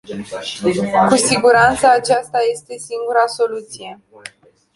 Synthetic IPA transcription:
kusiɡuɾant̪səːt͡ʃast̪aje̞st̪e̞siŋɡuɾaso̞lut̪sije̞

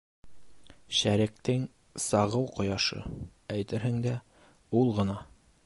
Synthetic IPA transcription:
ɕæɾɘ̆k̚t̪ɘŋ | sɑʁɤwqŏjɑʃɤ̰æjt̪ɘ̆ɾhɘ̆ŋd̪æ | ulˠʁɤ̆nɑ

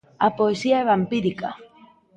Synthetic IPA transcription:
a̰poesiaɛβampiɾika

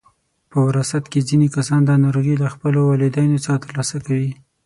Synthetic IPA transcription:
pəwɪɾɑsat̪kezinekasɑnd̪ɑnɑɾoɣilaxpəlowɑlɪd̪ajnot͡sɑt̪əɾlɑsakawi

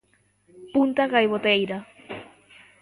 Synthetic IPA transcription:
punt̪aɣajβot̪ejɾa

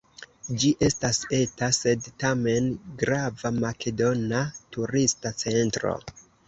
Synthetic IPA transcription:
d͡ʒiʔe̞stase̞tase̞dtame̞nɡɾavamake̞do̞natuɾistat͡se̞ntɾo̞̰

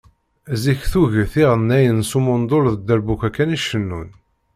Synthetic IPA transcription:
ziçθuʝəθiʁənːæjənsumʊnd̪ˤoɾðəd̪ːæɾbukʷækːæniʃənːṵn

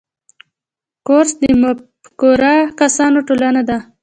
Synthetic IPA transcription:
koɾsd̪əma | koɾakasɑnoʈolanad̪a

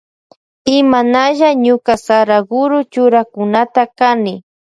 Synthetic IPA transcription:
ɪmanaʒaɲʊkasaɾaɡʊɾʊt͡ʃʊɾakʊnat̪akanɪ

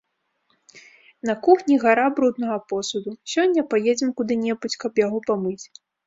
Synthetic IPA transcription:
nɐkuxnʲiɣaɾabɾud̪nɐɣɐpɔsud̪usʲɔnʲːɐpajed͡zʲɛmkud̪ɨnʲɛbut͡sʲkɐpjaɣɔpamɨt͡sʲ

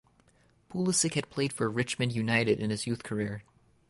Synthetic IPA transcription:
pʰulˠəsɨkhɨd̚pʰl̥eɪd̥fə˞ɹɪt͡ʃmɨ̃ndjʉnaɪɾɨɾɨ̃nɨzjʉθkʰə˞ɪɹ

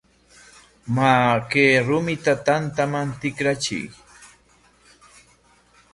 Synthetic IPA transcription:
makeːɾʊmɪt̪at̪ant̪amant̪ɪkɾat͡ʃɪ̰j

